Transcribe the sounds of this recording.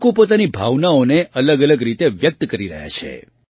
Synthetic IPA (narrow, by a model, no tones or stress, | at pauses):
kũpot̪anibʱaʋnaoneʔələɡələɡɾit̪eʋjək̚t̪kəɾiɾə̰ɦja̰t͡ʃʰḛ